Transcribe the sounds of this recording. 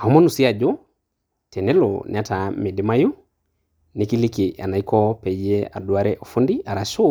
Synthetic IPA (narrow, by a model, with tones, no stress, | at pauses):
a˨u˦mɔ˦nu˨si˦a˨d͡ʒo˦ | tʰɛ˨nɛ˦lo̰˨nʔɪ˨a˦ta˨me˨dɪma˦ju˦ | nɪki˦li˦ki˨ʔa̰˨na˨ikɔ˦pɛ˨jɛa˨dwa˦ɾɛʔo˨fu˦ndi˦a˨ɾaʃo˦